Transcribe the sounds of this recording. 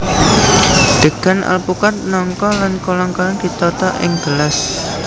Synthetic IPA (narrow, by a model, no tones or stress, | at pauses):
d̪̥ə̤ɡ̥a̤nʔa̰lpukat̪̚nɔŋkɔlankolaŋkɔlanɡ̥it̪ɔt̪ɔʔɪ̰ŋɡ̥əlas